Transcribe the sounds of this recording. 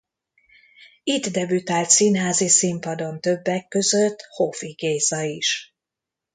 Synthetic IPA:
it̪d̪ɛbyt̪aːlt̪sinɦaːzisimpɒd̪o̞nt̪ø̞bːɛkːø̞zøt̪ːhofiɡeːzɒiʃ

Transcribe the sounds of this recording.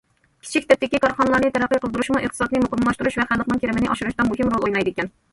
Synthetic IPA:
kʲʰi̥t͡ʃʰikʲʰit̪ɛp̪̚ɪkʲikʰɑɾχɑnəlˠɑɾnɨt̪ʰɛɾæqːijqəlˠd̪ɨɾuʃmuʔəχt̪ɨsɑt̪nɨmuqəmːlˠɑʃt̪uɾuʃvɛχælːˠəχnɨŋkʲʰeɾɪmɪnɪʔɑʃɪɾɨʃt̪ɑmuɦɪmɾolˠojnɑjd̪ekʲɛn

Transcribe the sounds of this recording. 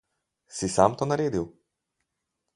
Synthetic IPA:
sisamt̪oːnaɾeːd̪iw

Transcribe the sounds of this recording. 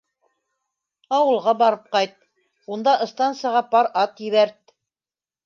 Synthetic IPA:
ɑwɤ̆lˠʁɑbɑɾɤp̚qɑjt̪̚ | und̪ɑʔɤ̆st̪ɑnt̪sɨjɑʁɑpɑɾɑt̪jɘ̆βæɾt̪

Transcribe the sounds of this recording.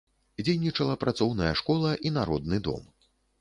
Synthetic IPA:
d͡zʲejnʲit͡ʂɐlˠɐpɾat̪sɔwnɐjɐʂkɔlˠɐʔinaɾɔ̰d̪̚nɨd̪ɔ̰m

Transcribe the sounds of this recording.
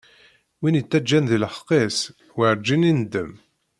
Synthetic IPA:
winit͡sːæd͡ʒːænðilħqes | wəɾd͡ʒinind̪əm

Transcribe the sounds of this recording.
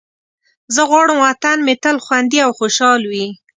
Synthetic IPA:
zəɣwɑɽəmwat̪anmet̪əlxwand̪iawxoʃɑlwi

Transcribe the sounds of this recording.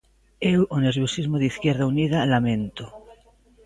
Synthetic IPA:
ewoneɾβjosizmoðiθkjeɾðaunið̞alamẽnt̪o

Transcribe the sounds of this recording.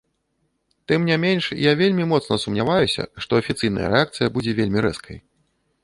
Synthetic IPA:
t̪ɨmnʲamʲenʲʂjavʲelʲmʲimɔt̪snɐsumnʲavajusʲɐ̰ʂt̪ɔɐfʲit̪sɨjnɐ̰jɐ̰ɾɛakt̪sɨjɐbud͡zʲɛvʲelʲmʲiɾɛ̰skʰɐ̰j

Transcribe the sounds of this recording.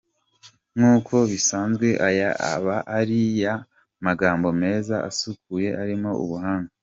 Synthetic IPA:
ŋuːkʰo̞βisaːnzɡwe̞ʔajaa̰βaʔaɾija | maɡaːmbo̞me̞ːzaa̰sukuje̞ʔaɾimo̞ṵβuhaːŋɡa

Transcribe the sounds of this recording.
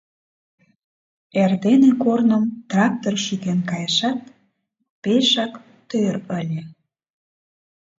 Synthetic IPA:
erd̪enekornəmt̪rɑk̚t̪orʃykenkɑjəʃɑt̪̚ | peʃɑk | t̪øɾəlʲe

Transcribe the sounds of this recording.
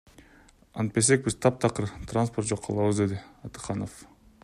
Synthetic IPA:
ɑnt̪̚pes̬e̞k̚bizt̪ʰɑp̚t̪ʰɑqɯɾt̪ransport̪̚d͡ʒo̞qʰːɑ̰lˠɑβɯzd̪e̞d̪ɪɑt̪ɯ̥qɑnof

